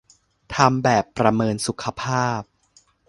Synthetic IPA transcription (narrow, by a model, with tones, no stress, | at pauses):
t̪ʰa˧mbɛː˨˩pːɾa˧mɤː˧nsu˨˩kʰa˧pʰaː˥˩p̚